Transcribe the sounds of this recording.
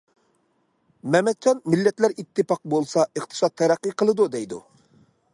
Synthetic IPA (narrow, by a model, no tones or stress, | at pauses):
mɛmɛd̪̚t͡ʃʰɑnmilːɛt̪læɾit̪ʰːɨpɑq̚bolˠsɑəχt̪ʰɨ̥sɑt̪̚ʰːɛɾæqːiqʰəlˠɨd̪ud̪ɛjd̪u